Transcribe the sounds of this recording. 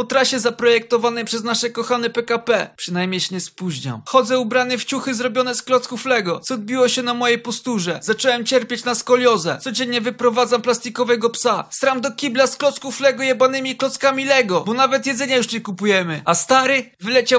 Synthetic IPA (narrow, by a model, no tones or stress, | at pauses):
pɔt̪ɾaɕɛzapɾɔjɛk̚t̪ɔvanɛjpʂɛznaʂɛkɔxanɛpɛkapɛpʂɘnajmʲɲejɕɛɲɛspuʑɲa̰wxɔd̪zɛubɾanɛft͡ɕuxɘzɾɔbʲjɔnɛsklɔt̪skuflɛɡɔt̪sɔd̪̚bʲiwɔɕɛnamɔjejpɔst̪uʐɛzat͡ʂɛwɛmt͡ɕɛɾpʲjat͡ɕnaskɔlʲjɔzɛ̰t̪sɔd͡ʑɛɲɲɛvɘpɾɔvad̪zamplast̪ʲikɔvɛɡɔpsast̪ɾamd̪ɔkʲiblasklɔt̪skuflɛɡɔjabanɘmʲiklɔt̪skamʲilɛɡɔbɔnavɛt̪jɛd̪zɛɲajuʂt͡ɕɛkupujɛmɘast̪aɾɘvɘlɛt͡ɕaw